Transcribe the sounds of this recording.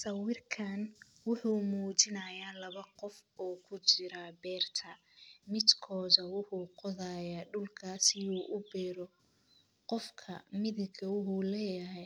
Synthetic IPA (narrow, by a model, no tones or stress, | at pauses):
sɐwɪrkʰɐn | wʊħuːmuːt͡ʃɪnɐjaːlɐβɐqɔfɔːkʰʊt͡ʃɪɾabɛːrt̪ʰɐ | mɪd̪kʰɔːðɐwʊħuːqɔðaːjaːɖʊlkʰaːsɪjuːʔʊbɛːɾɔ | qɔfkʰɐ̰mɪðɪɡɐwʊhuːlɛːjɐɦɛj